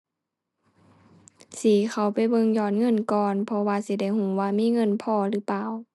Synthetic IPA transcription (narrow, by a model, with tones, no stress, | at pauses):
siː˨˦xa˧˨˩wpa˨˩jbɤ˧˨ŋjɔː˧˩˨nŋɤ˧˥˨nkɔː˧npʰɔ˧waː˧si˧˦da˧˩jhuː˨˦waː˧miː˧˥˨ŋɤ˧˥˨npʰɔː˧˩ɾɯː˨˦paː˧˨w